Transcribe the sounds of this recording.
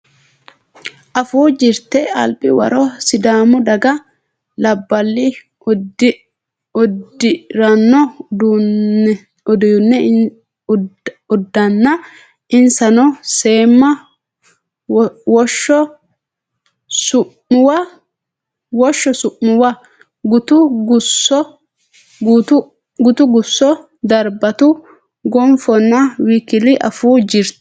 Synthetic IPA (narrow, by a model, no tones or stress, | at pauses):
ʔɐfuːd͡ʒɪɾt̪ɛɐ̰lpɪwɐ̰ɾoːsɪd̪aːmʊd̪ɐɡɐ | lɐbːɐlːi | ʊdɪɾɐnːɔ | ʊd̪jʊnːɛ | ʊd̪ːɐnːɐ | ɪnsɐnɔseːmːɐ | wɔʃɔ | sʊ | ʊwɐ | wɔʃːɔsʊʔnʊwɐ | ɡʊt̪ʊɡʊsɔ | ɡt̪ | ɡʊt̪ʊɡʊsːɔ | d̪ɐɾbɐt̪u | ɡɔmfɔnːɐwiːkɪlɪʔɐ̰fuːd͡ʒɪɾt̪